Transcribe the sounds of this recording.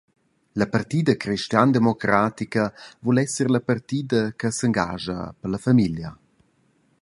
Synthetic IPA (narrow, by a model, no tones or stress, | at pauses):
ləpart̪iːd̪əkɾiʃt̪jand̪emokɾaːt̪ikɐvulɛsəɾləpart̪iːd̪əkəsəŋɡa̰ːʒɐ̰pəlɐfamiljə